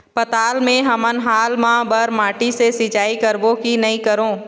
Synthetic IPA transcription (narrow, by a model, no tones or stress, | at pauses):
pɐt̪aːlmẽɦɐmənɦaːlmãːbəɾmaːʈisesɪt͡ʃaːikəɾbõkinɐĩkəɾõː